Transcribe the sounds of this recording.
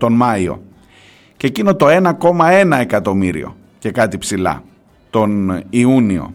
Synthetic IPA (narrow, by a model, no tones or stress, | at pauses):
t̪o̞nmɐio̞̰ | cecino̞t̪o̞e̞nɐko̞mɐe̞nɐe̞kɐt̪o̞miɾḭo̞̰ | ce̞kɐt̪ipsilɐ̰ | t̪o̞niunio̞̰